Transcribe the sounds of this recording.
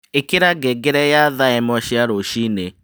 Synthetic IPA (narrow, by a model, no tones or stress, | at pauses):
ekeɾaɡɛɡeɾɛjaðaɛmɔʃiaɾoʃine